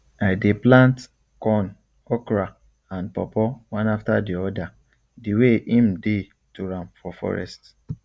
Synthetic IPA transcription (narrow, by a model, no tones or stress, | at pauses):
adeplãnt | kɔn | ɔkɾa | ãnpɔpɔwãnaftadiɔda | diweʔĩm̩de | tuɾãmfɔfɔ̰ɹɛ̰st